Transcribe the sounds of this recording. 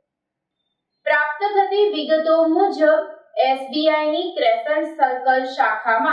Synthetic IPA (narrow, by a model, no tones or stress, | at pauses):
pɾap̚t̪əɡət̪iʋɪɡət̪omud͡ʒʱəbesbiajnikɾefənsːəlkəlʃakʰamã